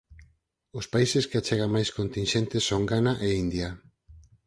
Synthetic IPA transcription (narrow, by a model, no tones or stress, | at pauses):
ospaiseskeat͡ʃeɣ̞amajskont̪inʃent̪esoŋɡanaʔeind̪ja